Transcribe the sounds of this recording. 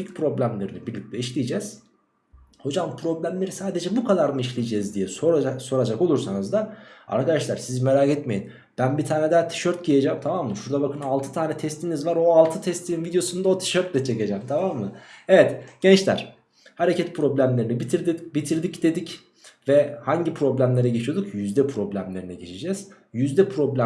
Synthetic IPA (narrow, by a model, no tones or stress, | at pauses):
icpʰɾo̞blʲæmlʲe̞ɾinibiɾlʲic̚lʲɛiʃlʲijd͡ʒɛz̥ | ho̞d͡ʒampʰɾo̞blʲæmlʲe̞ɾisaːd̪e̞d͡ʒɛbukʰad̪aɾmɯiʃlʲijid͡ʒɛzd̪ijɛsoɾaaso̞ɾad͡ʒako̞lˠuɾsanɯzd̪aa̰ɾkʰad̪aʃlˠaɾsizme̞ɾaːkɛt̪me̞jin | b̥ænbit̪ʰaːnɛd̪ɛt̪ʰi̥ʃøɾt̪̚ɟijed͡ʒɛmt̪ʰamamːɯʃuɾd̪abakʰɯnalˠt̪ʰɯ̥t̪ʰaːnɛt̪ʰɛst̪ʰinizvaɾo̞alˠt̪ʰɯt̪ʰɛst̪ʰininvid̪ʲjo̞sund̪aot̪ʰi̥ʃøɾt̪̚bʲɛt͡ʃʰːeced͡ʒɛmt̪ʰamamːɯevɛt̪ɟ̥ɛnt͡ʃlʲæ̰ɾ̥ | haɾecʰɛt̪̚pʰɾo̞blʲæmlʲe̞ɾinibit̪ʰiɾd̪ibit̪ʰiɾd̪icd̪e̞d̪ic | vɛhaɲɟipʰɾo̞blʲæmlʲe̞ɾɛɟe̞t͡ʃʰijo̞d̪ukjyzd̪ɛpʰɾo̞blʲæmlʲe̞ɾinɛɟe̞t͡ʃʰid͡ʒɛz̥ | jyzd̪ɛpʰɾo̞blʲæ